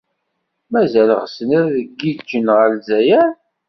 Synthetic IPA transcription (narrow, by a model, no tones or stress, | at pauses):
mæzælʁsənæɾðəɡːid͡ʒːənʁəlzæjæ